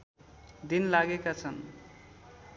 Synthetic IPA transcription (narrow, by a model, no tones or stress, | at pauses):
d̪inlaɡekat͡sʰʌn